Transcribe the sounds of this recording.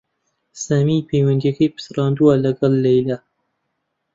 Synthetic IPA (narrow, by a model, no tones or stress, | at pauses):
saːmiːpʰejwɐnd̪ijɐkɐjpɨ̥sɨrɑːnd̪uwalɐɡɐlːɐjla